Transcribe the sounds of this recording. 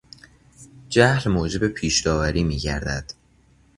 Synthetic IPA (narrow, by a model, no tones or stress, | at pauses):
d͡ʒæhlmoːd͡ʒe̞be̞pʰiːʃd̪ɒːvæɾiːmiːɟæ̰ɾd̪æd̪̥